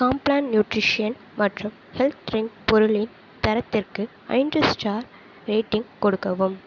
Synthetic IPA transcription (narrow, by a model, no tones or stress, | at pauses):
kaːmplaːnnjuːʈɾɪʂɪjɐn | mɐʈrɯm | hɛlt̪ɾɪnpɔɾʊɭɪn | t̪ɐɾɐt̪ːɪrkɯ | ɐ̰ɪndrɐsʈaːɾ | ɾeːʈːɪŋkɔɽɯkːɐʋɯm